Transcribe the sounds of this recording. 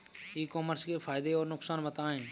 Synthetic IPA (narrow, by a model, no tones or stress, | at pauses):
iːkoːməɾskefʰaːɪd̪eɔːɾnʊksaːnʋət̪aːɦẽː